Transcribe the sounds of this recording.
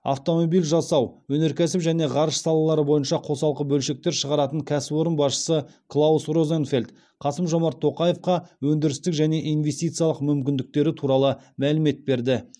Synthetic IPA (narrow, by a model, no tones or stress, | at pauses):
ɑ̰ft̪o̞mo̞bijlʲʒɑsɑwwɵne̞ɾkʲʰæsɪpʒæne̞ʁɑɾəʃsɑlˠɑlˠɑɾəbo̞jənʃɑqʰo̞sɑlˠqəbɵlʃe̞k̚t̪e̞ɾʃəʁɑɾɑt̪əŋkʲʰæsɪbo̞ɾənbɑsʃə̥səklˠausro̞zenfe̞lʲt̪ | qʰɑsəmʒo̞mɑɾt̪ʰːo̞qɑje̞fqɑwɵnd̪ɪɾɪst̪ɪkʒæne̞ʔijnve̞st̪ijt̪sɨijɑlˠəqmʏmkʲɪnd̪ɪk̚t̪e̞ɾɪt̪ʰuɾɑlˠəmælɪme̞t̪̚be̞ɾd̪ɪ